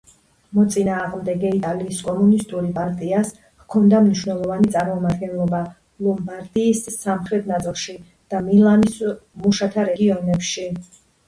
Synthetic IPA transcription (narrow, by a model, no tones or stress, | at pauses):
mɔt̪sʼinaːʁmd̪ɛɡɛit̪ʼaliːskʼɔmunist̪ʼuɾipʼaɾt̪ʼias | kʰɔnd̪amniʃwnɛlˠɔvanit̪sʼaɾmɔmad̪ɡɛnlˠɔba | lˠɔmbaɾd̪iːsːamχɾɛt̪ʰnat̪sʼilˠʃi | d̪̥amilˠanismuʃat̪ʰaɾɛɡiɔnɛpʃi